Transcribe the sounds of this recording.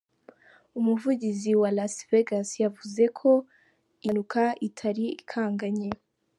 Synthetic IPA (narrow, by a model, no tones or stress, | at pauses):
umuvuɟiziwalasveɡasjavuze̞kʰo̞ | inukʰaʔitʰaɾiikʰaːŋɡaɲe